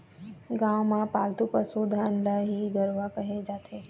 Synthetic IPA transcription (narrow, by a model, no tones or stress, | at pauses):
ɡãʋmãpaːlt̪upəsud̪ʱanlaɦiɡəɾʋakəɦẽd͡ʒaːt̪ʰe